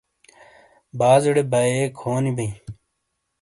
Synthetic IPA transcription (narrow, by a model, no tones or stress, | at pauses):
baːzɐɽebaeːkʰoːnibɐĩ